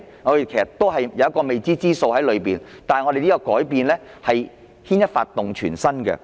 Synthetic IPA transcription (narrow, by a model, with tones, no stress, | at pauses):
ŋɔː˨˧e˨kʰe˨˩sɐ˨t̪o˥wɦɐ˨jjɐ˨wɐ˥kːɔː˧me˨jt͡siː˥t͡siː˥so˧whɐ˨˥jlɵ˨˧ɥpiː˨nt̪aː˨hŋɔ˨˧de˨jniː˥kɔ˧kɔː˨˥jpiː˨nlɛː˥hɐ˨j | hʰiː˥njɐ˥t̚fa̰ː˧t̪ːʊ˨ŋt͡ʃʰy̰ː˨˩nsɐ˥nkɛ̰˧